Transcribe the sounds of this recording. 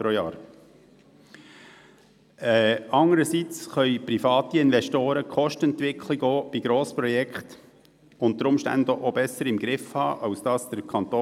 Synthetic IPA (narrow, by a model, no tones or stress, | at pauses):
pɾojɑːɾ | ɛɑŋəɾəsit͡sχœʏpɾifɑːt̪iɪnvɛʃtoːɾəkχɔʃtəɛnt̪ʋɪkʰliɡoːb̥iɡ̥ɾoːspɾɔjɛkχt | ʊnt̪əɾʊmʃtæ̰ndəʔobɛsəɾɪmɡ̥ɾɪfhɑːʔɑʊsd̥ɑːsd̥əɾkʰχɑnt̪oː